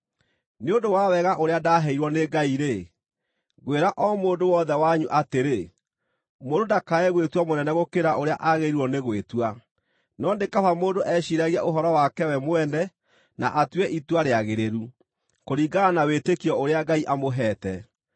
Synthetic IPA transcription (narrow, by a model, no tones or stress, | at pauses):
neondowawɛɣaʔoɾeadaɦɛiɾwɔneɡaiɾe | ɣweɾaʔɔmoːndowɔðɛwaɲuʔateɾe | moːdodakaɛɣwetwamonɛnɛɣokeɾaʔoɾeaʔaɣeɾiɾwɔneɣwetwa | nɔndekaβamoːndoʔɛɕiɾaɣiaʔoɦɔɾɔwakɛwɛmoɛnɛ | na̰ʔatwɛʔitwaɾeaɣeɾeɾu | koɾiːɡanawetekiɔoɾeaɡaiʔamoɦɛːtɛ